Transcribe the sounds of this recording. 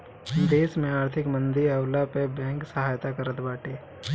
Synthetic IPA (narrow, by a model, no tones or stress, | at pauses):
d̪eːsmẽaːɾt̪ʰɪkmə̃nd̪iɾɐwlapebɛ̃ːŋksəɦaːjt̪akəɾət̪baːʈeː